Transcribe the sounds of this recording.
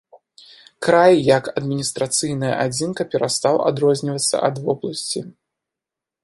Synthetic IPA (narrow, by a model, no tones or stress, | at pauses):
kɾajːɐkɐd̪mʲinʲist̪ɾat̪sɨjnɐjɐ̰ʔad͡zʲinkɐpʲɛɾast̪awa̰d̪ɾɔzʲnʲivɐt̪sːɐ̰ʔɐd̪vɔblˠɐsʲt͡sʲi